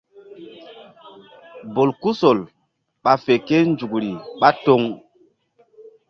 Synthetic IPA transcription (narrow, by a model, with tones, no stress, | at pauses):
bo˨lku˦so˨l | ɓa˨fe˨ke˦nd͡ʒu˨kɾi˨ɓa˦to˦ŋ